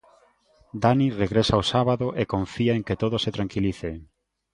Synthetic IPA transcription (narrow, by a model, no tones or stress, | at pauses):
d̪anireɣɾesaosaβaðoʔekõɱfiaeŋket̪oðoset̪ɾaŋkiliθe